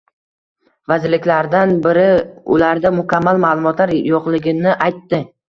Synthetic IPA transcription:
vazɪɾlɪkʲlaɾd̪anbɪɾɪʊ̰laɾd̪amʊkʲʰamːalmalˠʊmɒt̪laɾjɒqlˠɪɡʲɪnɪʔajt̪ːɪ

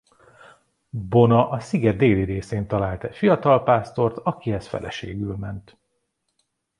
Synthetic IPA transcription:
bo̞nɒʔɒsiɡɛd̪̚d̪eːliɾeːseːnt̪ɒlaːlt̪ɛfijɒt̪ɒlpaːst̪o̞rt̪ɒkiɛst̪fɛ̰lʔɛ̰ʃḛːɡylmɛnt̪

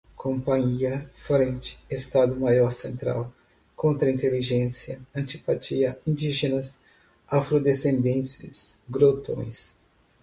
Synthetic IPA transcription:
kʰõmpɐ̃ɲiɐfɾẽnt͡ʃɪ̥est̪ad̪ʊmajɔɾsẽnt̪ɾa̰w | kõnt̪ɾɐĩnt̪eliʒẽsjɐɐ̃nt͡ʃipat͡ʃiɐĩd͡ʒiʒenɐs | afɾod̪esẽnd̪ẽntɪ̰sɡɾot̪õ̰j̃s

